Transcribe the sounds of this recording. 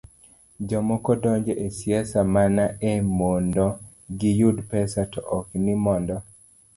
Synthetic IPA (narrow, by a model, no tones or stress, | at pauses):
d͡ʒɔmɔkɔdɔɲd͡ʒɔʔesjɛsamanaemondɔ | ɡijudpɛsatɔʔɔknimɔndɔ